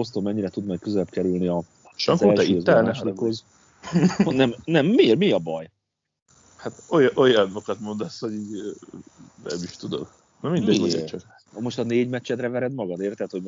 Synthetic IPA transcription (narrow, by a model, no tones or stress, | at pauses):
o̞st̪omɛɲːiɾɛt̪ud̪mɛjkøzɛlɛbkɛɾylniɒ | ʃɔŋkoɛlizt̪ːɛlːnɛʃlikhoz | nɛmnɛmːirmiɒbɒj | hat̪ojʔojɑnokɒt̪mond̪ɑsho̞ɟiːɟ | ɾɛ̰miʃt̪ud̪o̰m | nɔmind̪ɛoḛt͡ʃɒk | mo̞ʃt̪ɒneːɟmɛt͡ʃːɛd̪rɛvɛɾɛd̪mɒɡɒd̪eːrt̪ɛt̪ho̞